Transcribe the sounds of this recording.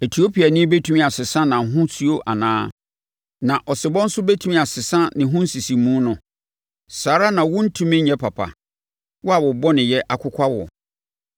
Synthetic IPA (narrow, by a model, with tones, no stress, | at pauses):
e˨tʰi˨o˦pʰi˨a˨nɪ̃˦be˦tʰũ˦mĩ˦a˨sɪ˨sã˦nã˨ɦʊ̃˦su˦o˦ʔa̰˨nãː˦ | nã˨ʔɔ˨sɪ˨bɔ̃˦n̩˦sʊ˦be˦tʰũ˦mĩ˦˨a˨sɪ˨sã˦nɪ̃˨ɦʊ̃˦n̩˦si˨si˨mũː˦nʊ̃˨ | saː˨ɾa˦nã˨wʊ̃˦n̩˦tʰũ˦mɪ̃˦ɲ̩˦ɲɛ̃˦pʰa˨pʰa̰˨ | wɔ˦a˨wʊ˨bɔ˦nɪ̃˨jɛ˦ʔa˨kʰʊ˦kʷʰa˦wɔ̰˨